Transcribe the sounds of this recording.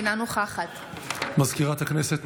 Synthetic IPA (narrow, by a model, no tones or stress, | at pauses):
nanoχaχat̪ | mazkiʁat̪hakneset̪